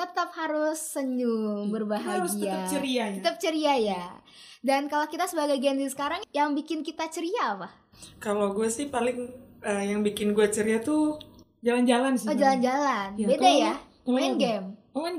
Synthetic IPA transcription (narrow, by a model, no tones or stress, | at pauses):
t̪ət̪əp̚haɾʊsːəɲuŋbərbaɦaɡiat͡ʃəɾiaət̪əp̚t͡ʃəɾiaja | dankalokit̪asəbaɡajɡɛndisə̥kaɾaŋjaŋbikɪnkit̪at͡ʃəɾiaːpah | kaloɡuasɪhpalɪŋəːjaŋbikɪnɡuat͡ʃəɾiat̪u | d͡ʒaland͡ʒalansɪod͡ʒaland͡ʒalanbedaja | ɛnɡɛm